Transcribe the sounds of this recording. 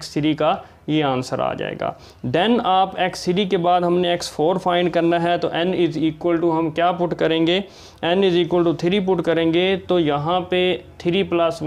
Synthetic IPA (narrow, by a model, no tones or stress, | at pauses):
ksɪɾika | jeãːnsəɾa̰ːd͡ʒa̰ːḛːɡa̰ː | d̪ɛnaːpɛksɪʈikebaːd̪ɦɐmneɛksfʰoːɾfʰaːɪ̃ɳɖ̚kɐɾnaɦɛt̪oːʔɛ̃nɪziːkwəlʈuɦɐmkjaːpʊʈkɐɾẽːŋɡeː | ɛ̃nɪziːkwəlʈut̪ʰɪɾip̬ʊʈkɐɾẽːŋɡet̪oːjɐɦãpet̪ʰɪɾiplɐs